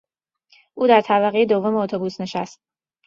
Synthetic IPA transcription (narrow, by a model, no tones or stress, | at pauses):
ʔuːd̪æɾt̪ʰæβæɣejed̪o̞vːo̞meot̪ʰobuːsne̞ʃæst̪̚